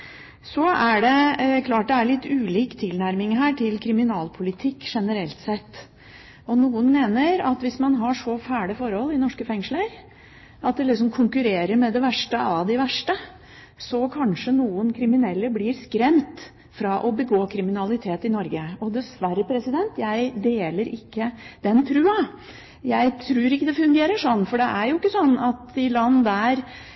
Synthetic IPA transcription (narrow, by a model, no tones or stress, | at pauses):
sɔæɖɛkʰlɑːʈ̚d̪ɛæɾɭɪt̪ːʉːliːkt̪ʰɪlnæɾmɪŋɦæːʈʰɪlkʰɾɪmɪnɑːlpʰʊlɪt̪ʰɪkːʂɛnəɾɛlt̪sɛt̪ː | ɔnuːənmeːnəɾɑt̪ʋɪsmɑnɦɑʂɔfæːɖɪfɔɾhɔlːɪnɔʂkəfɛŋʂləɾ | ɑt̪̚d̪ɛlɪks̬ɔmkʰʊŋkʉɾeːɾəɾmɛd̪ɛʋæʂʈəɑd̪ɪʋæʂʈə | sɔkʰɑnʂənuːənkʰɾɪmɪnɛlːəblɪɾskɾɛmt̪ | fɾɑːʔɔbəɡoːkʰɾɪmɪnɑlɪt̪ʰeːt̪ɪnɔɾɡəɔd̪ɛsʋæɾəpʰɾɛsɪd̪ɛnt̪jæɪd̪eːləɾɪkːəd̪̥ɛnt̪ʰɾʉːɑ | jæɪt̪ʰɾʉːɾɪkːəd̪ɛfʉŋɡeːɾəʂɔnːfɔɖɛʔæɾjʊɪkːəsɔnːɑt̪ɪlɑnːd̪æɾ